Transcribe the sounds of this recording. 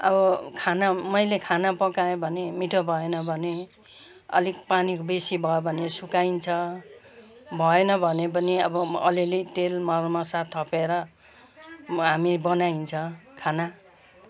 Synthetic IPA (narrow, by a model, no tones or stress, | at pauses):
ʌ̰bʌkʰanamʌjlekʰanapʌkajẽbʱʌnemiʈʰobʱʌenʌbʱʌne | ʌ̰likpanikobesibʱʌjebʱʌnesukaint͡sʰʌ | bʱʌenʌbʱʌnepʌniʌbʌʌ̰lilit̪elmʌrmasat̪ʰːʌpeɾʌ | ɦamibʌnaint͡sʰʌkʰana